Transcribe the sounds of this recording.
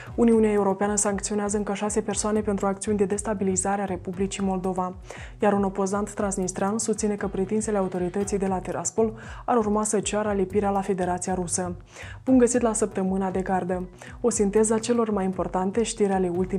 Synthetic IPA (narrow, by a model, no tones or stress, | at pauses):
uniuneae̞uɾo̞peanəsaŋk̚t̪sio̞neazəɨŋkəʃase̞pe̞rsoane̞pe̞nt̪ɾuakt̪siunʲd̪e̞d̪e̞st̪abilizaɾeaɾe̞publit͡ʃimo̞ld̪o̞va | jaɾuno̞po̞zant̪ːɾansnist̪ɾeansust̪sine̞kəpɾit̪inse̞le̞aut̪o̞ɾit̪ət̪sijd̪e̞lat̪iɾʔa̰spo̞laɾurmasət͡ʃaɾəlipiɾealafe̞d̪e̞ɾat̪sijaɾusə | b̥umɡəsit̪lasəp̚t̪əmɨnad̪e̞ɡard̪ə | o̞sint̪e̞zat͡ʃe̞lo̞rmajimpo̞rt̪ant̪e̞ʃt̪iɾeale̞ult̪i